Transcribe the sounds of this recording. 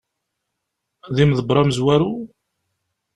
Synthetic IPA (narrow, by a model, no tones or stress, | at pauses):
ðimðəbɾˤɑməzwæɾu